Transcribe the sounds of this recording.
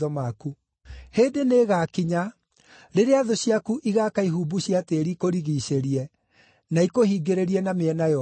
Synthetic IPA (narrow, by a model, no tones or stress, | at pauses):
ɔmaku | heːdeneːɣaːkiɲa | ɾeɾeaðoɕiakuʔiɣakaiɦuːbuɕiateɾikoɾiɣiɕeɾiɛ | naikohiːɡeɾeɾiɛnameɛnajɔ